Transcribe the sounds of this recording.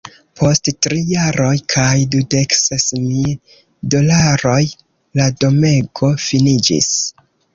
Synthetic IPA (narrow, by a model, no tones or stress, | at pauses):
pʰo̞sttɾijaɾo̞jkʰajdude̞ksesmil | do̞laɾo̞j | lado̞me̞ɡo̞finid͡ʒḭs